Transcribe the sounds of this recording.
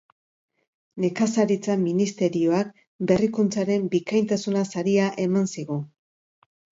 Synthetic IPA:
ne̞kasaɾit͡saminist̪e̞ɾio̞ak̚ | be̞rikunt͡saɾe̞mbikajnt̪asunasaɾiaʔe̞mansiɣu

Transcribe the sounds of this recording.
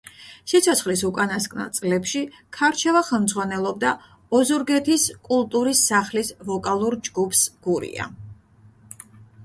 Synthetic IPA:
sit̪sʰɔt̪sʰχlisukʼanaskʼna̰t̪sʼlɛpʃi | kʰaɾt͡ʃʰɛvaχɛlˠmd̪zʁwanɛlˠɔb̚d̪a | ɔzɔɾɡɛt̪ʰiskʼulˠt̪ʼuɾisːaχlisvɔkʼalˠuɾd͡ʒɡupʰsɡ̥uɾḭa̰

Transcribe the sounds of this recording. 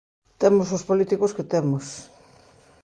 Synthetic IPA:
t̪emosospolit̪ikosket̪emos

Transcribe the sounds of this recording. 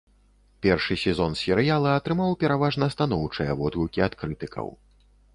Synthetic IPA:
pʲɛrʂɨsʲɛzɔnsʲɛɾɨjalˠɐɐt̪ɾɨmawpʲɛɾavaʐnɐst̪anɔwt͡ʂɨjɛvɔd̪ɣʲukʲiat̪kɾɨt̪ɨkɐ̰w

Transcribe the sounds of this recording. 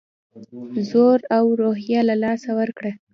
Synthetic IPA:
zoɾawɾoɦjɑlalɑsawəɾkɽa

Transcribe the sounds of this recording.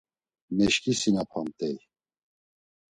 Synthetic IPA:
mɛʃkʼisinapʰant̪ʼɛj

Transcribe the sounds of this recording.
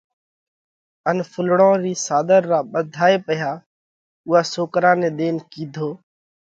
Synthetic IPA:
ənfʰʊlɽõːɾiːsaːd̪əɾːaːɓəd̪ʱaːeːpəjaː | ʊɦaːsoːkɾãːnẽːɗ̪eːnkiːd̪ʱoː

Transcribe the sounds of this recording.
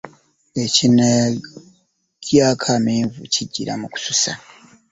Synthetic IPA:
ecine | kjakʰamiːɱvṵciɟːiɾa̰muku̥susa̰

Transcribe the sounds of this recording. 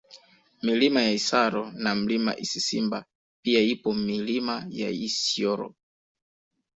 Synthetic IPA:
milimajaisaɾɔnam̩lima̰ʔisisimba | piaipɔmilimaja̰isiɔɾɔ̰

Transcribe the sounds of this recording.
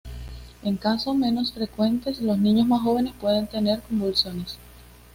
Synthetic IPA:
e̞ŋkaso̞me̞no̞sfɾe̞kwe̞nt̪e̞slo̞snĩɲo̞smasxo̞βe̞ne̞spwe̞ð̞e̞nt̪e̞ne̞ɾko̞mbulsjo̞ne̞s

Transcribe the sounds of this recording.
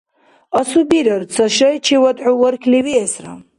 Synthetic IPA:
ɔsubiɾəɾt͡sʰɔʃɔjt͡ʃʰiwɔd̪ʕuwɔɾkʰliwiɛsɾa̰

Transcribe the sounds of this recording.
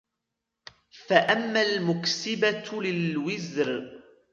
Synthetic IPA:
faʔamːalmʊksɪbalɪlwɪzɾ

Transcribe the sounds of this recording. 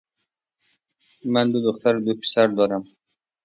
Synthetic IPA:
manb̪ʊd̪oχt̪ʰaɾd̪ʊpʲʰɪ̥saɾd̪ɒɾam

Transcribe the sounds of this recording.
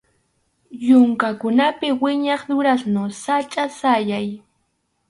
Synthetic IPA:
jʊŋkakʊnapɪwɪɲɑχd̪ʊɾasnosat͡ʃʼasajaj

